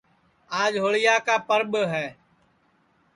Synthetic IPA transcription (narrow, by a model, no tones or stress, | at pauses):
aːd͡ʒɦoːɭɪjaːkaːpəɾɓɦɛː